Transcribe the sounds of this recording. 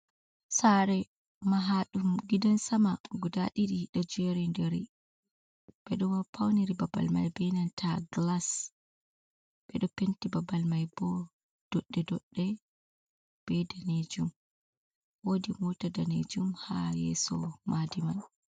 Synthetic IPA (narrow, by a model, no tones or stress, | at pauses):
saɾɛ | maɦaɗumɡidansamaɡudaɗiɗiɗad͡ʒɛɾindɛɾi | bɛɗɔwapʰawniɾibaba̰lma̰jbɛnantʰaɡlas | bɛɗɔpentibabalmajbɔ | d̥ɔɗːɛdɔɗːɛ | b̥ɛdaned͡ʒum | wodimutadanḛd͡ʒumhajɛ̰sɔ̰madiman